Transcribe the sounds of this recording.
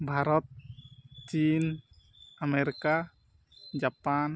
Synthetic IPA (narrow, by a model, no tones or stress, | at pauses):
bʱaɾɔt̪̚t͡ʃin | ameɾika | d͡ʒapan